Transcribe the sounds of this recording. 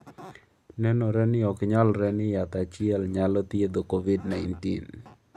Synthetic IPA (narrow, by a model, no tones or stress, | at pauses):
nɛnɔɾɛnɪɔkɲalɾɛnɪjat̪at͡ʃɪɛlɲalɔt̪jed̪okovidnaɪntḭn